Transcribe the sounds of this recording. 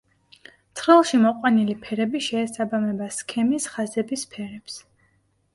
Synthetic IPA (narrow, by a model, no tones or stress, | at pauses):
t̪sʰɾilˠʃimɔqʼwanilipʰɛɾɛbiʃɛːsabamɛbaskʰɛmisχazɛbispʰɛɾɛps